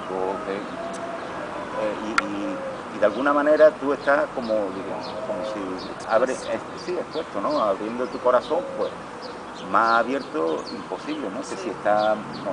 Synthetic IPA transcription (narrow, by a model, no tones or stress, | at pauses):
koke | eiː | ðealɣunamãne̞ɾat̪ue̞st̪ahko̞moðiɣemoko̞mosi | aβɾees | siepwe̞st̪onõaβɾje̞nd̪ot̪uko̞ɾaθõ̞mpwe̞s | masaβje̞ɾt̪oimpo̞siβlenoke̞sie̞ht̪a | no